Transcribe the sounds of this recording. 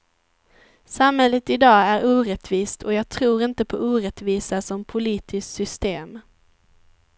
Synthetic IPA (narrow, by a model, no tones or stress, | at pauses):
samhɛlːət̪ɪd̪ɑːæɾuːɾɛt̪viːst̪ʰɔjɑːɡ̚t̪ʰɾuːɾɪnt̪əpʰɔʔuːɾɛt̪viːsasɔmpʰʊliːt̪ʰɪsksʏst̪eːm